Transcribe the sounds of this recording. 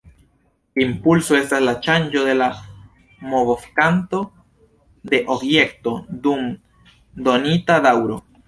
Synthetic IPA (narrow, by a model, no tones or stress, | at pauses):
impulsoest̪aslat͡ʃand͡ʒoðe̞la | moβofkant̪o | d̪eʔobjekt̪od̪um | d̪onit̪aðawɾo̰